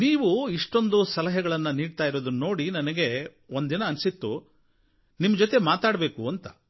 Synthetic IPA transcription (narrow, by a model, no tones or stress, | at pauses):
niːʋuiʂʈo̞nd̪usɐlɐɦɐɡɐɭɐnːɐniːɖt̪aːjiɾoːd̪unːo̞ːɽinɐnɐɡe̞ | ond̪inɐːnsit̪ːu | nimːɐd͡ʒot̪e̞maːt̪aːɽɐbe̞ːkuɐnt̪ɐ